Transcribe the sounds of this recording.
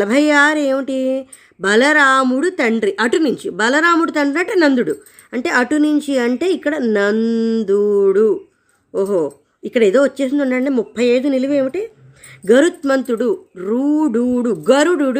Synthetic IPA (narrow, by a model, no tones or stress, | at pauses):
lɐbʱɐjaːɾeːmiʈi | bɐlɐɾaːmuɽut̪ɐɳɖɾiʔɐʈunuɲt͡ʃibɐlɐɾaːmuɽut̪ɐɳɖɾinɐʈenɐnd̪uɽu | ɐɳʈe̞ːʔɐʈunuɲt͡ʃiɐɳʈe̞ːikːɐɽɐnɐnd̪uɽu | oːɦoː | ikːɐɽɐeːd̪oːʋɐt͡ʃːe̞ːs̬ind̪uɳʈːaːɐɳʈeːmupʰːɐjɐjd̪unilɐʋie̞ːmiʈi | ɡɐɾut̪̚mɐnt̪uɽuɾuːɽuɽuɡɐɾuɽuɽ